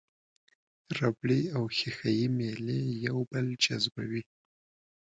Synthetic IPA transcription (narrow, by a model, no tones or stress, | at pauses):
ɾabɽiawxixajimelejawbəld͡ʒazba̰wi